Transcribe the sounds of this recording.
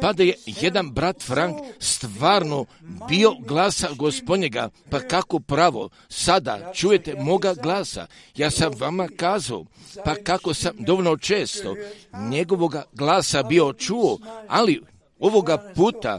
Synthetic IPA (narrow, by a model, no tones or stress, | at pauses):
pad̪ajeje̞d̪anbɾat̪fɾaŋkst̪ʋaːɾno̞bio̞ɡlˠaːsaɡo̞spo̞d̪ɲeɡapakako̞pɾaʋo̞̰ | sad̪a̰t͡ʃujet̪e̞mo̞ɡaɡlˠaːsa̰jaːsamʋamakaːzao̰pakako̞samd̪o̞ʋolno̞t͡ʃe̞ːst̪o̞̰ɲeɡo̞ʋo̞ɡaɡlˠaːsabio̞t͡ʃuoa̰li | oʋo̞ɡapuːt̪a̰